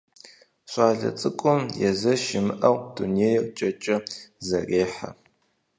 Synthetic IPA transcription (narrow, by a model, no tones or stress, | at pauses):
ɕʷʼɑːɮɐ̰t͡sʼɨkʷʼʊmjɛzɐʃɪmɨʔɐwduneːjɛkʷʼt͡ʃʼɐt͡ʃʼɐzɐreːħa̰